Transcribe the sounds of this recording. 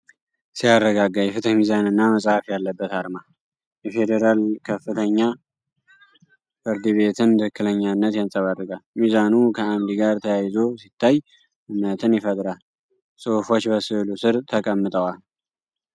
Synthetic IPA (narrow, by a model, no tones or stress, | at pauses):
sijarːəɡaɡːajɛfɨt̪ʰəmizanɨnːaməsʼhafjalːəbːət̪aɾma | jɛfe̞d̪eɾalkʰəfːɨt̪ʰəɲːa | fɨɾd̪ɨβe̞t̪ʰɨnt̪ʰɨhɨkːɨləɲːanːət̪jansʼəβadːɨkʼalmizanukʰəamd̪iɡaɾt̪ʰəjajzo̞sit̪ʰːaj | ʔɨnːət̪ʰɨnjɛfət̪ʼɾal | sʼofot͡ʃːbəsɨlusɨɾt̪ʰəkʼəmːɨt̪ʼəwal